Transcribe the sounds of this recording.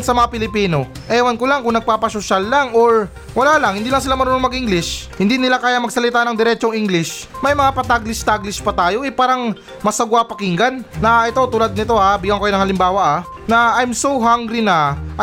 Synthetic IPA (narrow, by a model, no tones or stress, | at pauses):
sɐmɐŋapɪlɪpiːno̞ | ʔɛwɐnkolaŋkʊŋnɐɡ̚paːpɐsoʃalːaŋo̞ɹ | wɐlaːlɐŋhɪnd̪iːlɐŋsɪlamɐnɾononmɐɡʔiŋɡlɪʃhɪnd̪inɪlakaːjamɐɡ̚sɐlɪt̪aːnɐŋd̪ɛɾɛt͡ʃoŋʔiŋɡlɪʃmɐjmɐŋapɐt̪aɡlɪst̪aɡlɪspɐt̪aːjo̞ʔɛpaːɾɐŋ | mɐsɐɡwapɐkiŋɡɐnːɐʔɛt̪o̞t̪ulad̪̚nɪt̪o̞habɪɡɐŋkɐjonɐŋhɐlɪmbaːwɐʔa | nɐʔajmsowɦaŋɡɾɪnaʔɐ